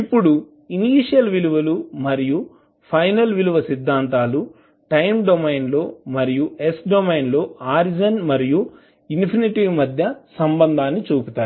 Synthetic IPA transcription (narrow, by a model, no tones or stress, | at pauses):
ipːuɽu | iniːʂɐlʋiluʋɐlumɐɾiju | pʰɐjnɐlʋiluʋɐsid̪ʱːaːnt̪aːlu | ʈɐjmɖomejnlo̞ːmɐɾijuesɖomejnlo̞ːaːɾd͡ʒɐnmɐɾiju | inpʰiniʈiʋmɐd̪ʱjɐsɐmbɐnd̪ʱaːnːit͡ʃuːput̪aːɾu